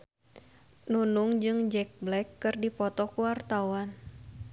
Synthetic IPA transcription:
nunuŋd͡ʒɨŋd͡ʒɛk̚blɛkːɨrdipɔt̪ɔkuwart̪awan

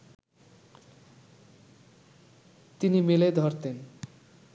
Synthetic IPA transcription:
t̪inimiled̪ʱɔɾt̪en

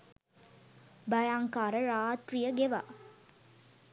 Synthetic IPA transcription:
bɐjaːŋkaːɾəɾaːt̪rijəɡeʋa̰ː

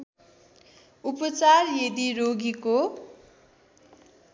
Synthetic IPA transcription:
upʌt͡sarjed̪iɾoɡiko

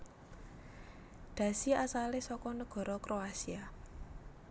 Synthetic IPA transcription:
d̪̥ä̤siasalesɔkɔnəɡ̥ɔ̤ɾɔkɾoasia

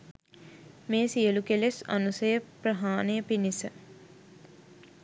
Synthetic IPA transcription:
meːsijəlukelesa̰nusəjəprəɦaːnəjəpinisə

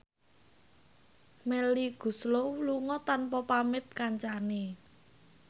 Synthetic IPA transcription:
mɛliɡ̥ṳsloluŋɔt̪anpɔpamɪt̪̚kaɲt͡ʃane

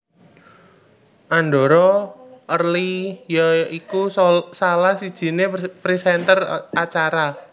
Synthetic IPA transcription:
ʔanɖoɾɔʔərlijaikusalahsid̥ʒ̥i̤nepɾisɛnt̪ərat͡ʃaɾa

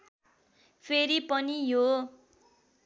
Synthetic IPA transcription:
pʰeɾipʌnijo

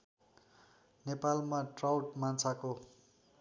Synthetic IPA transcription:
nepalmaʈrawʈmant͡sʰako

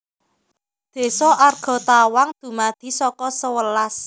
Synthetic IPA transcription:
d̪̥e̤sɔʔarɡ̥ɔ̤t̪awaŋd̪̥ṳmad̪̥i̤sɔkɔsəwəlas

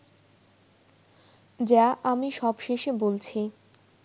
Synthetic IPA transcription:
d͡ʑaʔamiʃɔbʃeʃebolt͡ɕʰi

